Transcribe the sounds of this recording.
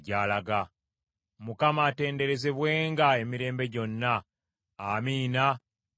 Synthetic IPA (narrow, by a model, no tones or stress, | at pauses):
ɟaːlaɡa | mukamaːte̞ːnde̞ɾe̞ze̞βwe̞ːŋɡae̞miɾe̞ːmbe̞ɟo̞nːaː | miːna